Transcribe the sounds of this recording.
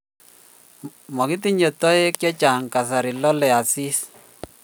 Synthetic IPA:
mɔ˨ki˦t̬i˦ɲe˨tːɔ˦e˦kjɔ˦t͡ʃa˨ŋka˨s̬a˨ɾi˨lɔ˦lɛ˨a˨si˦s

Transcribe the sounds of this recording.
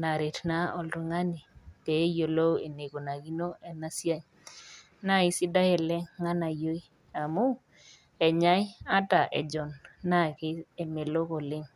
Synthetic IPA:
na˨ɾe˨tna˦ɔ˨lɾɔ˨ŋa˦ni˨tɛ˨˦jo˨lo˦we˨ne˨ko˨na˨ki˦no˦ɛ˨na˦sja˦ɲ | na˦i˦sɪ˦da˦jɛ˨lɛ˦ŋa˦na˨jo˦i˦ | a˨mu˦ | ɛ˨ɲa˦ja˦ta˨ʔɛ̰˨d͡ʒɔ˨nːa˦kɪ˦e˨me˨lo˦kɔ˨lɪ˦ŋ

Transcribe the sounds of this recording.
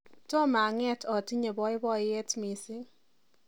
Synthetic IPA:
tɔ˦ma˨ŋɛ˦tʰɔ˨ti˦ɲe˨bɔ˦ɪ˦bɔ˦ɪ˦e˦tmi˨sɪ˦

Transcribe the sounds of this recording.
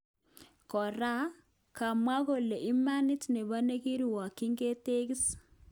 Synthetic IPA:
kɔ˨ɾa˦ | ka˨mwa˦ɣo˨le˨ʔi˦ma˦ni˦tne˨βa˦ne˦ɣi˦ɾi˨wa˨ki˦ŋɡe˦te˦ɣi˦s

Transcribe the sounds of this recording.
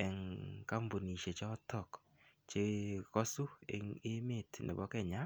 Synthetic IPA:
ɛ˨ŋka˦mbo˨ni˨ʃe˨t͡ʃɔ˦tɔ˦˨k | t͡ʃe˦kɔ˦su˦ee˦me˦˨tnḛ˨bɔ˦kɛ˦˨ɲa˦

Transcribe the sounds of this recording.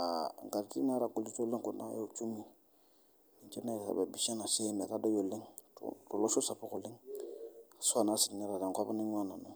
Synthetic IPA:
a̰˨ŋ˨ɡa˨ɾti˦na˦ɾa˨ko˦li˦t͡ʃo˦lẽ˦ŋko˨na̰˦je˦o˨t͡ʃu˦mĩ˨ | ĩ˨t͡ʃɛ˦na˦˨ɾsa̰˨ba˨bi˨sɛ̃˦na˨se˦ne˨ɾa˦dɔ˦jo˨lẽ˦ŋ̰tɔ˨lɔ˦so˦sa˨bɔ˦kɔ˨lẽ˦ | a˨su˦a˨na˦si˨ɡi˨ne˦ɾa˨dã˨kɔ˦ba˦nĩ˦ɲu˦mã˦na˨na˨

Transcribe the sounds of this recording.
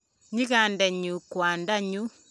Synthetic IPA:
ɲi˦ɣa˨ndɛ˨ɲu˨kwa˨nda˦ɲu˦

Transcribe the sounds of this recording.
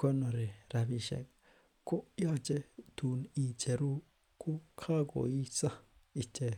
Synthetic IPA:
ko˦nõ˨ɾe˨ɾa˧βi˧ʃḛ˧ | ko˦ja˦t͡ʃe˦t̪u˧n˧ĩ˧t͡ʃe˧ɾu˦ | ku˦kʰa˦ko̰˨i˦sã˦ | i˧t͡ʃe˧

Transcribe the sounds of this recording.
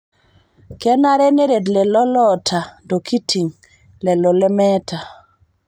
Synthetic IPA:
kɛ˦na˦ɾɛ˦ne˦ɾe˨dlɛ˨lɔ˦lɔ˦tʰa˨dɔ˨kʰi˦tʰi˨ŋ | lɛ˨lɔ˨lɛ˦mɛ˦ta˨

